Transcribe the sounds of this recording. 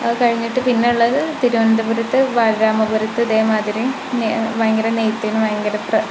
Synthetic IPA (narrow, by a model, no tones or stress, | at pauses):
kɐɻiɲːiʈːɨpinːeuɭːɐðɨt̪iɾuʋɐnd̪ɐbuɾut̪ːɨʋaːlɾaːmɐbuɾut̪ːɨɐðe̞ːmaːd̪iɾi | neʋɐjɐŋɡɐɾɐnejt̪ːinɨʋɐjɐŋɡɐɾɐprɐ